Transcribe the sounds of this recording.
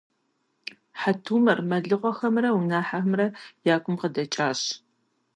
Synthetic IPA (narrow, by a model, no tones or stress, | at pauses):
ħatʰuːmɐrmɐɮɨʁʷɔxɐmrɐwunaːħamrɐjaːkʷʰʼʊmqədɐt͡ʃʼaːɕ